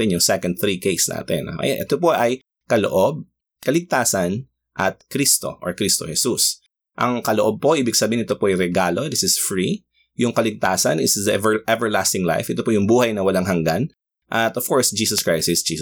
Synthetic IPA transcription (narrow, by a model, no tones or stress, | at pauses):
ɪnjʊŋsɛkɐnd̪̚θɹikejsnʔa̰ːt̪ɛ̰n̰ʔɐ̰janʔɛ̰t̪opoʔɐj | kɐlo̰ʔob̚ | kɐlɪɡ̚t̪aːsɐn | ʔɐt̪̚kɾist̪o̰ʔoɹkɾist̪o̞̰hɛsus | ʔɐ̰ŋkɐloʔob̚po̞ʔiːbɪɡ̚sɐbiːhɪnɛt̪opoʔɐjɾɛɡaːlo̞d̪ɪsɪsfɹi | jʊŋkɐlɪɡ̚t̪aːsɐ̰nɪsðɐvɛɹʔɛvɛɹla̰st̪ɪŋla̰jfʔɛt̪opojʊŋbuːhɐjnɐwɐlaŋɦɐŋɡan | ʔɐt̪ʔɔv̥koɹsd͡ʒiːsɐskɹajsɪsd͡ʒis